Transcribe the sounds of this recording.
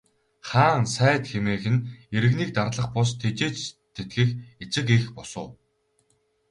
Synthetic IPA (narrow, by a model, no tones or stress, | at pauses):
χaːŋsæːt̪xemeːxɘ̆neɾɘ̆ɣniːk̚t̪arɮə̆χpɔs̬t̪ʰet͡ɕeːt͡ɕt̪ʰːet̪̚ɡɘ̆xet͡sɪ̆kexpɔsʊ̰ː